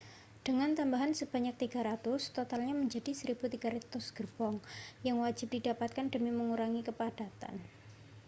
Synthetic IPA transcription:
d̥əŋant̪ambaɦansəb̥aɲak̚t̪iɡa̤ɾat̪ʊst̪ot̪alɲaməɲd͡ʒadisəɾib̥ut̪iɡ̥aɾɛt̪ʊsɡ̥ərb̥ɔŋjaŋwad͡ʒɪp̚d̥idapat̪̚kandəmiməŋuɾaŋikəpad̥at̪a̰n

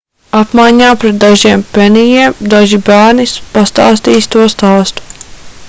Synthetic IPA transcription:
apmajɲaːpɾɛt̪̚d̪aʒiɛmpɛnijiɛmd̪aʒibæːɾnispast̪a̰ːst̪iːst̪uɔst̪aːst̪u̥

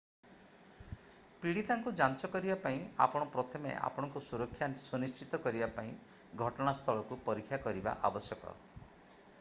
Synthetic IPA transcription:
piɽit̪aŋkud͡ʒant͡ʃɔkɔɾibapaĩa̰pɔɽ̃ɔpɾɔt̪ʰɔmḛa̰pɔɽ̃ɔŋkusuɾɔkʰːjansunist͡ʃit̪ɔkɔɾibapaĩ | ɡʱɔʈɔɽ̃ast̪ʰɔɭɔkupɔɾikʰːjakɔɾiba̰ʔa̰bɔsjɔkɔ̰

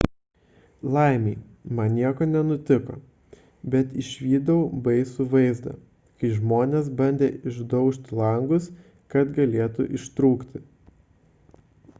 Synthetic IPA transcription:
lˠɐɪmʲɛɪ | mɐnnʲiɛkoːnʲɛnʊt̪ʲɪko̰ː | bʲɛt̪ɪʃʲʋʲiːd̪ɐʊbɐɪsʊʋɐɪzd̪ɐ̰ | kɐɪʒmoːnʲeːsbɐnʲd̪ʲeːɪʒd̪ɐʊʃʲt̪ʲlˠɐŋɡʊs | kɐt̪ɡɐlʲeɛt̪ʊ̰ʔɪʃt̪ɾuːkt̪ʲɪ

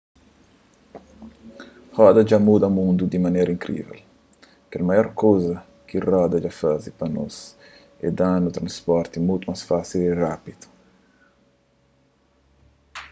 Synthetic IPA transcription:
hɔd̪ɐd͡ʒamud̪amũnd̪ud̪imanɛɾɐĩŋkɾḭvɛ̰l | kɛlmajɔɾkozɐ | kirɔd̪ɐd͡ʒafazipanɔ̰s | ɛ̰d̪anut̪ɾɐ̃nspɔɾt̪imut̪umasfasirapid̪u̥

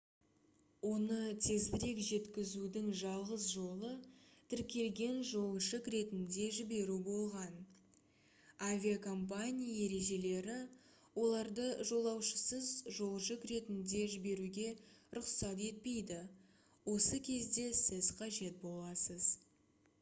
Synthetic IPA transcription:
wo̞nət̪ʰe̞zbɪɾe̞kʒe̞t̪kʲɪzud̪ɪŋʒɑlˠʁəsʒo̞lˠət̪ʰɪɾkʲe̞lɡʲe̞nʒo̞lˠʒəkɾe̞t̪ɪnd̪e̞ʒɪbe̞ɾubo̞lˠʁɑn | avʲiakʰo̞mp̬anʲijae̞ɾe̞ʒe̞le̞ɾɪ | wo̞lˠɑɾd̪əʒo̞lˠɑwʃəsəzʒo̞lˠʒəkɾe̞t̪ɪnd̪e̞ʒɪbe̞ɾuɡʲe̞ɾʊqsɑt̪e̞t̪̚pe̞jd̪ɪ | wo̞səkʲʰe̞zd̪e̞sɪzqʰɑʒe̞t̪̚bo̞lˠɑsəz̥

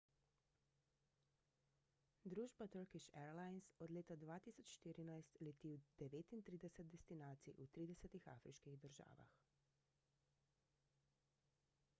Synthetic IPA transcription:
d̪ɾuːʒbat̪əɾkiʃɛɾlaːjnsɔd̪leːt̪ad̪ʋaːt̪iːsɔt͡ʃʃt̪iːɾinajst̪lɛt̪iːwd̪̥ɛʋeːt̪int̪ɾiːd̪ɛsɛt̪̚d̪ɛst̪inaːt̪siʔut̪ɾiːd̪ɛsɛt̪ixa̰ːfɾʔiʃkiɣd̪əɾʒa̰ːʋa̰x

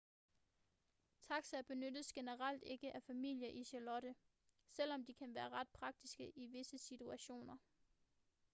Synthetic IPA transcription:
t͡sʰɑ̈ɡ̥sæb̥e̝nød̥əsɡ̥e̝nəʁɑl̰d̥e̝ɡ̥əʔæfæmil̰jɐʔiɕælɒ̽ɾ̥ə | sel̰ɒ̽md̥ikʰænʋæːɐʁɑ̈d̥̚pʰʁɑ̈ɡ̥̚d̥isɡ̥əʔiʋe̝səsit͡sʰuæɕo̝̰ːnɐ

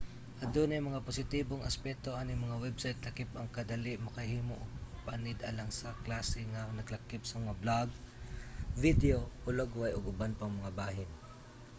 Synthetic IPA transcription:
ʔɐd̪onɛmɐŋaposɪt̪iːboŋɐspɛt̪oʔanɪŋmɐŋawɛbsajt̪lɐkɪp̚ʔɐŋkɐd̪ɐliʔmɐkɐhiːmoʔopanɪd̪ʔɐlaŋsɐklaːsɛŋaŋnɐɡlɐkɪp̚sɐmɐŋablaɡ̚ | vid̪ɛoʊlaɡʊajoɡʊbanpɐŋmɐŋabaːɦɪn

